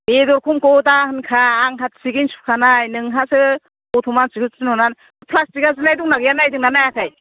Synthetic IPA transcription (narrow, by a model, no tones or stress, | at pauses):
bedɔɾkʰumkɔwtahɯnkʰaːŋɦat̚siɡinsu̥kʰanajnɯŋɦasɯ | kɔtʰɔmansiɡʰɯsɯnɔnan | pʰlastikazɯnajduŋnaɡɯjanajdɯŋnanajakʰaj